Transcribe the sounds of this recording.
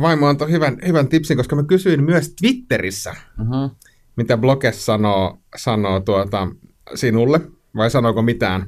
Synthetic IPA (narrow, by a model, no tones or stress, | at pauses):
ʋɑimːont̪ohyʋænhyʋænt̪ipsiŋkoskɑmækysyimmyøst̪ʋit̪ːerisːæ̰ | mit̪æblokessɑnoːsɑnoːt̪uot̪ɑ | sinulːe | ʋɑisɑnoːkomit̪æ̰ːn